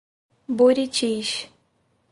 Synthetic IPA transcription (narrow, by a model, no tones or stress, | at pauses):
buɾit͡ʃiʃ